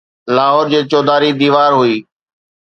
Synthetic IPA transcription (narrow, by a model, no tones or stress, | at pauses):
laːɦɔːɾd͡ʑeːt͡ɕɔːd̪aːɾid̪iːʋaːɾɦʊiː